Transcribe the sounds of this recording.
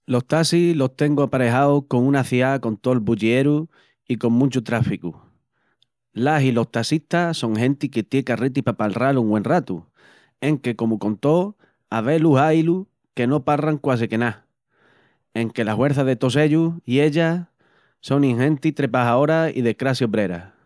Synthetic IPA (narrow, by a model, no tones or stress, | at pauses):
lo̞ht̪asilo̞ht̪e̞ŋɡoapaɾe̞ɦaoko̞ŋũnaθiako̞nt̪olbuʎie̞ɾu | iko̞ŋmũt͡ʃut̪ɾafiku | lasilo̞ht̪asit̪aso̞ŋɦẽ̞nt̪iket̪jekarit̪̬ipapalraluŋɡwẽ̞nrat̪ṵ | e̞ŋke̞ko̞mukõ̞nt̪o̞ | aβe̞luɦajlu | ke̞no̞paraŋkwas̬eke̞na | e̞ŋke̞lahwe̞ɾθaðet̪o̞s̬e̞ʎuie̞ʎa | so̞ŋĩŋɦẽ̞nt̪it̪ɾe̞paɦao̞ɾaḭðekɾasjoβɾe̞ɾa̰